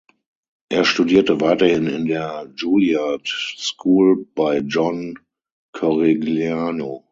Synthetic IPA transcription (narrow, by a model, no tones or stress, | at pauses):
ʔeːɐʃtudiːɐtəvaɪtɐhɪnɪndeːɐd͡ʒuːljatskʰuːlb̥aɪd͡ʒɔn | kʰɔʁeɡljaːno